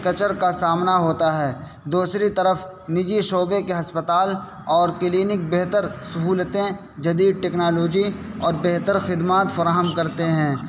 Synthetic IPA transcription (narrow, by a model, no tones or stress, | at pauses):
kɐt͡ʃəɾkasaːmnaɦoːt̪aɦɛː | d̪uːsɾit̪ɐɾəf | nɪd͡ʒiʃoːbekeɦɐspət̪aːl | ɔːɾkɪliːnɪk̚beɦt̪əɾsɐɦuːlt̪ẽ | d͡ʒɐd̪iːd̪̚ʈɛːknaːloːd͡ʒiɔːɾbeɦt̪əɾxɪd̪maːt̪fɐɾaːɦəmkɐɾt̪eɦɛ̃ː